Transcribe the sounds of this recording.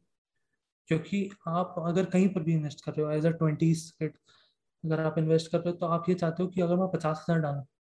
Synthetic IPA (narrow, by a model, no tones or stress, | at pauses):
koːkiaːpɐɡəɾkɐɦĩpɐɾbʱiɪnʋeːsʈkɐɾːeɦoɛːzaːʈwɛ̃ɳʈiːskeːʈ | ɐɡəɾaːpɪ̃nʋeːsʈkɐɾːeɦot̪oaːpjet͡ʃaːɦt̪eɦõkiɐɡəɾmɛ̃pɐt͡ʃaːsɦɐzaːɾɖaːlõː